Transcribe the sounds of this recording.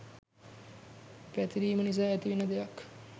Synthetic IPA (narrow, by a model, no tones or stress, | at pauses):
pɛt̪iɾiːmənis̬aːɛt̪iʋinːəd̪ejak